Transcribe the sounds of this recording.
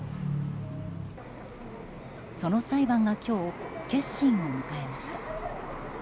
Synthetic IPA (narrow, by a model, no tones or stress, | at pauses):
so̞no̞saibãŋɡakʲo̞ːke̞ɕːĩɰomɯ̟kae̞maɕi̥t̪a